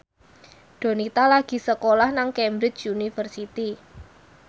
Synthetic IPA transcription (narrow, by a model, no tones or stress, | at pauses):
ɖ̥o̤nit̪alaɡ̥i̤səkolahnaŋkɛmbɾɪt͡ʃunifərsit̪i